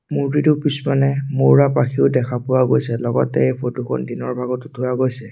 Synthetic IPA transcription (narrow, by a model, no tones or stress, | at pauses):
muɹtitʊpismanɛmoɹapaxʰiʊdɛkʰapʊwaɡojsɛlɔɡɔtɛejpʰotuxʰɔ̰ndinɔɹbʱaɡɔtʊdʰʱʊwaɡojsɛ